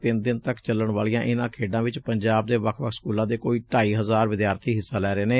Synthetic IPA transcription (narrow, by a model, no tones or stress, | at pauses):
t̪ɪnd̪ɪnt̪əkt͡ʃələɳʋaːlijãːʔɪnãːkʰeːɖãːʋɪt͡ʃpəɲd͡ʒaːb̚d̪eːʋəkʰʋəkʰskuːlãːd̪eːkoːiːʈaːiːɦəzaːɾʋɪd̪jaːɾt̪ʰiːɦɪsːãːlɛːɾeːneː